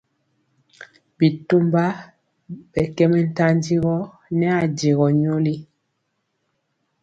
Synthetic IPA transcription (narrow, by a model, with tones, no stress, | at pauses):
bi˨tu˦mba˦ | bɛ˨kɛ˦mɛ˦n̩˦ta˦n˦di˦ɣɔ˦ | nɛ˦a˨de˨ɣɔ˨ɲo˦li˦